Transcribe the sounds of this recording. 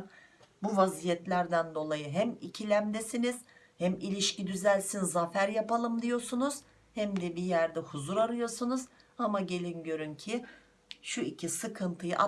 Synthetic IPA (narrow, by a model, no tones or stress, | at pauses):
buvazijɛt̪lʲæɾd̪ænd̪o̞lˠajɯɦæmicʰilʲæmd̪ɛsiniz̥ | hæmilʲiʃcid̪yzælʲsinzafæɾjapalˠɯmd̪ijo̞ɾsunuz̥ | hɛmd̪ɛbijæɾd̪ɛhuzuɾaɾɯjo̞sunuz̥ | amaɟe̞lʲinɟø̞ɾyncʰi | ʃuicʰisɯkʰɯnt̪ʰɯjɯʔa